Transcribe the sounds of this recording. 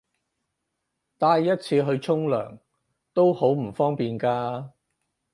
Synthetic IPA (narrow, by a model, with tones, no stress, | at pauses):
t̪aː˧jːɐ˥t̚t͡sʰiː˧ɦɵ˧ɥt͡sʰʊ˥ŋlœ̰ː˨˩ŋ | t̪o˥who˨˥wm̩˨˩fɔː˥ŋpiː˨nkaː˧